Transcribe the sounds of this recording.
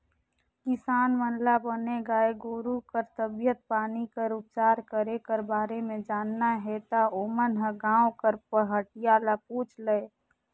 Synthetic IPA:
kɪsaːnmənlabəneɡaːeɡoːɾukəɾt̪əbjət̪̚paːnikəɾup̚t͡ʃaːɾkəɾekəɾbaːɾemẽd͡ʒaːnːaɦɛt̪aoːmənɦəɡãːokəɾpəɦəʈijaːlapuːt͡ʃʰləe

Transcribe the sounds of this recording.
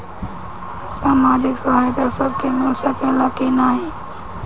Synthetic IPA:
saːmaːd͡ʒɪksaɦajt̪asəb̚kʰemɪlsəkelakinaɦi

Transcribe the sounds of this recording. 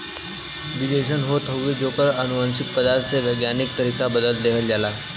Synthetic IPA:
ʋid̪eɕ̬ənɦot̪ɦəʋid͡zokəɾənuʋanɕik̚pəd̪aɾt̪seʋəjɡjanik̚t̪əɾikabəd̪əlt̪d̪eɦəld͡zala

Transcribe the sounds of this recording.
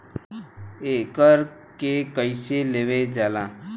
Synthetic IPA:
ekəɾ | kekəɪseleːʋed͡ʒaːlãː

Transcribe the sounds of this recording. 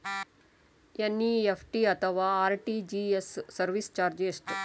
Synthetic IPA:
enːiefʰʈiɐt̪əʋaːɾʈid͡ʒiesːɐɾʋist͡ʃaːɾd͡ʒisʈ

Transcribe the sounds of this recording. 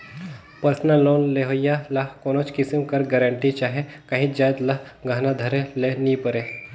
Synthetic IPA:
pəɾsnəlːoːnleɦojalɐɦkoːnoːt͡ʃkɪsimkɐɾɡɛɾə̃ɳʈit͡ʃaːɦekɐɦĩd͡ʒaːjd̪lɐɦɡʱaːnad̪ʱɐɾelenĩpəɾe

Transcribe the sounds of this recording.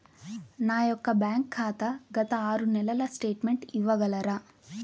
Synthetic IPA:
naːjɔkːɐbjaːŋkʰːaːt̪ɐɡɐt̪ɐaːɾunɛlɐlɐsʈe̞ːʈmeɳʈiʋɐɡɐlɐɾɐ

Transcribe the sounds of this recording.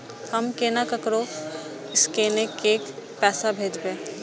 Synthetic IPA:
həmkenakəkɾo | ɪskeːnekeːkpɛːsabʱeːd͡ʒbeː

